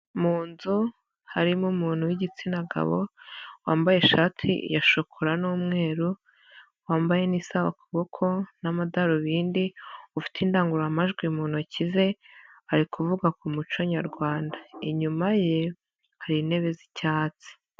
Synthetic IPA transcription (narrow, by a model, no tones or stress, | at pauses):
muːnzu | haɾimumuːn̥huwiɟit͡sinaɡa̰βo̰waːmbaje̞ʃaːtʰḭjaʃokʰoɾanuːmŋe̞ːɾu | waːmbaje̞niːsaβakaβo̞kʰo̞namadaɾoβiːndiufi̥tʰindaːŋɡuɾamaʒɡwimuːn̥huacize̞aɾikʰuvuɡakumut͡ʃoɲaɾɡwaːndaiɲumaje | haɾine̞βe̞zicaːt͡si̥